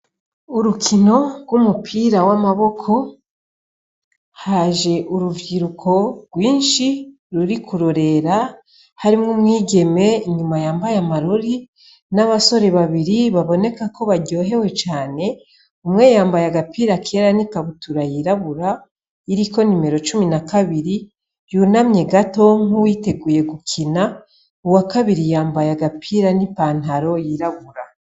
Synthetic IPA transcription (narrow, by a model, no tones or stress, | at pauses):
uɾukʰino̞ɡwumupʰiːɾawamaβo̞kʰo̞ | haːʒe̞ʔuɾuviɾukʰo̞ɡ̥wiːnʃi | ɾuɾikuɾoɾe̞ɾa | haɾimŋumŋiːɟe̞me̞iɲumajaːmbajamaɾoɾi | naβaso̞ɾe̞βaβiɾiβaβo̞ne̞kako̞βaɾɟo̞ːɦe̞we̞t͡ʃaːne̞ | umŋe̞jaːmbajaɡapiːɾakʰe̞ːɾanikaβutuɾajiɾaβuɾa | iɾiko̞nime̞ɾo̞t͡ʃuminakaβiɾi | junamɲe̞ɡato̞ŋ̥uwiːte̞ɡuːje̞ɡukʰina | uwakaβiɾijaːmbajaɡapʰiɾanipaːn̥ɦaɾo̞jiɾaβuɾa